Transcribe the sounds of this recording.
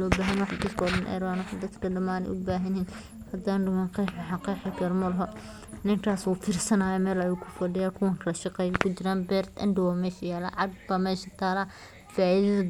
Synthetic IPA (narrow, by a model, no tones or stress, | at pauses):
ɔːbaːɦɐnwɑħd̪iːskʰɔɽɐnʔɛ̰ːɾɔːnʊħd̪ɐt̪kʰɐɖɐmaːnɛ̰jʔʊbaːɦɐnin | hɐd̪aːnɖʊmɐnqijħmɐħɑqiħɐɡɐɾmɐlɦɔ | nɪŋkʰaːsuːt̪ʰɪrsɐnaːjɛmɛːlɐjuːkʰʊ̥fɐɖɪjaːkʰʊwɐŋkʰɐlɐʃɑqɛjɐkʰʊt͡ʃɪɾaːnbɛːrt̪ɐ̰ndɪwaːmɛːʃɐjaːla̰ːʕɑɡbaːmɛːʃɐt̪ʰaːɾa | faːʔiðɐðɐ